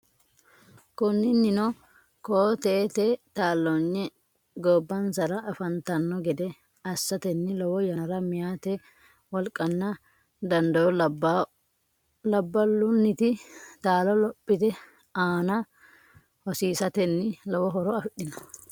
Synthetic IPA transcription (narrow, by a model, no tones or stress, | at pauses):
kʊnːɪnːɪnɔ | koːt̪eːt̪ɛt̪aːlːɔɲːɛ | ɡɔbːɐnsɐɾɐʔɐfɐnt̪ɐnːɔɡɛd̪ɛ | ɐsːɐt̪ɛnːɪlɔwɔjɐɾɐmɪjaːt̪ɛ | wɔlkʼɐnːɐ | d̪ɐnd̪ɐwɔ | lɐbːɐlːʊnːɪt̪ɪt̪aːlɔlɔpʼːɪt̪ɛ | aːnɐ | hɔsiːsɐt̪ɛnːɪlɔwɔɦɔɾɔɐfɪɗɪnɔ̥